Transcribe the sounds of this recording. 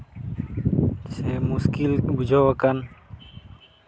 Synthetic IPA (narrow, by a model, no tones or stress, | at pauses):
semuskilbud͡ʒʱoːʋəkən